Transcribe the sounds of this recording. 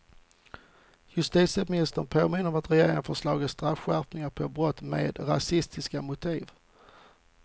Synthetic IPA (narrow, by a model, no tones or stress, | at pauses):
jɵst̪iːt̪səmɪnɪst̪ənpʰoːmɪnːəɾɔmat̪ɾɛjeːɾɪŋənfœʂlɑːɡəst̪ɾafɧæpnɪŋaɾpʰɔbɾɔt̪ːmḛːd̪ɾa̰sɪst̪ʰɪskamʊt̪ʰiːv